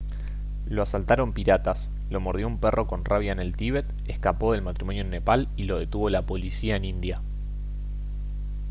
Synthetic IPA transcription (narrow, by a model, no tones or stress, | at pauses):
loasalt̪aɾo̞mpiɾat̪as | lo̞moɾðjo̞umperʔo̞ko̞nraβjaene̞lt̪iβe̞t̪ | ehkapo̞ðe̞lmat̪ɾimo̞njonːe̞palilo̞ð̞e̞t̪uβo̞lapo̞lisiae̞nĩnd̪ja